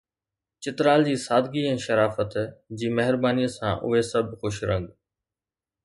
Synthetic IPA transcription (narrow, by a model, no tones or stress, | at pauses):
t͡ɕɪt̪ɾaːld͡ʑiːsaːd̪ʱɡiːɛ̃ːʃəɾaːfət̪d͡ʑiːmɛɦɪɾbaːniːsã̰ːʔʊ̰ɦesɐbʱxʊʃɾə̰̃ŋɡ